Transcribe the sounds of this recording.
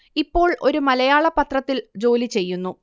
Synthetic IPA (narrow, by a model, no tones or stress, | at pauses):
ipːo̞ːɭʔo̞ɾumɐlɐjaːɭɐpːɐt̪rɐt̪ːild͡ʑo̞ːlit͡ɕe̞jːunːu